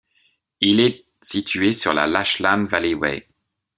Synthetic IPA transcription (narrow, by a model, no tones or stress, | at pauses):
ilɛ | sit̪ʰɥesyʁla̰laʃlamvalewɛ̰